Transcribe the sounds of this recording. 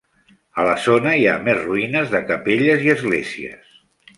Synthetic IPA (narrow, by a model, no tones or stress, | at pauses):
ələzonəia̰mezruinəzðəkəpeʎəziəzɣleziə̰s